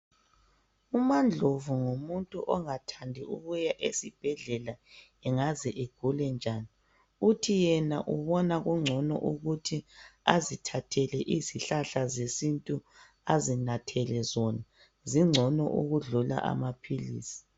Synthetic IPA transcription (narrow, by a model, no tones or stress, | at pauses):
umand͡ɮʱovuŋomuntʼuʔɔŋatʰandʱiuɣujaʔesib̥ʱɛɮɛla | ɛŋazɛʔeɡ̥ʱulɛnd͡ʒʱaːni | utʰijɛnaʔuβɔnaɣuŋ͡ǀʱɔnɔ̰ʔuɣutʰiazitʰatʰɛlɛʔiziɬaɬazesintʼu | azinatʰɛlɛzɔna | ziŋ͡ǀʱɔnɔ̰ʔṵɣuɮula̰ʔa̰mapʰilḭːsi̥